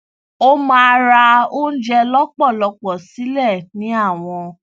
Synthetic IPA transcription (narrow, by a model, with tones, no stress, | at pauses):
o˦mã˦˧ɾa˧o˦n̩˦d͡ʒɛ˧lɔ˦k͡pɔ˦˨lɔ˧k͡pɔ˨si˨˦lɛ˦˨nĩ˨˦a˦˨w̃ɔ̃˧